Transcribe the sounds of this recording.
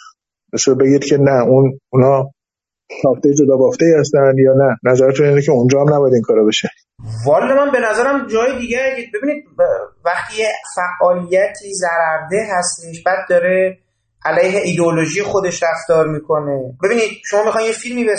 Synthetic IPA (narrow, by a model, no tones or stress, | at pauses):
besobeɡiːd̪cʰenæununɒː | sʰɒːft̪ejd͡ʒod̪ɒːbɒft̪eihæst̪ænd̪jɒːnænæzæɾæt̪ʰuniːnecʰeund͡ʒɒːhæmnæbɔjæd̪iːŋkʰɒːɾɒbeʃe | vɒːld̪emænbe̞næzæɾæmd͡ʒɒːjed̪iːɟæɡebe̞biniːd̪̚væχt̪ʰiːjefæʔːɒːlijæt̪ʰiːzæɾæɾd̪eɦæst̪eʃb̥æːd̪̚ːɒːɾe | ʔælæjɦe̞ʔid̪eoloʒijexo̞d̪e̞ʃɾæft̪ɒːɾmiːkʰo̞nebe̞biːniːd̪̥̚ʃomɒːmixɒnjefilmiːbe